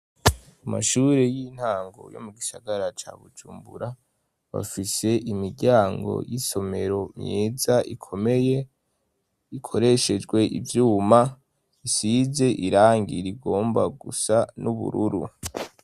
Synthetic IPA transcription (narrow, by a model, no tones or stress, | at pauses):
ama̰ʃuɾe̞jin̥haːŋɡo̞̰jo̰muɡisaɡaɾat͡ʃa̰βud͡ʒuːmbuɾa | βa̰fise̞ʔimiɟaːŋɡo̞̰jiso̞me̞ɾo̞mɲeːzaʔikʰomeje | ikʰo̞ɾe̞ʃe̞d͡ʒɡwe̞ʔḭvjuːma | isize̞ʔiɾaːŋɡḭɾiɡo̞ːmbaɡusanuβṵɾuɾṵ